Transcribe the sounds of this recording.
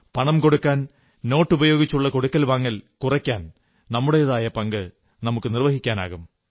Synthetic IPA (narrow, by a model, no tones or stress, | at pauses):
pɐɳɐmko̞ɽukːaːn | no̞ːʈːubɐjo̞ːɡit͡ɕːuɭːɐko̞ɽukːɐlʋaːŋːɐlkurɐkʲːaːn | nɐmːuɽejɐðaːjɐpɐŋɡɨ | nɐmukːɨnirʋɐɦikʲːaːna̰ːɣum